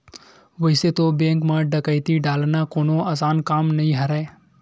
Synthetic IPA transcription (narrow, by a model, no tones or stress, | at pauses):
ʋəɪset̪obẽːŋkmãːɖəkəɪt̪iɖaːlnakoːnoaːsaːnkaːmnəɦĩɦɐɾaː